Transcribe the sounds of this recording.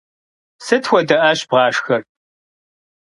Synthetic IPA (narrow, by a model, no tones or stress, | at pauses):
sɐtʰxʷɔdɐʔɐɕb̥ʁɑːʂxɐr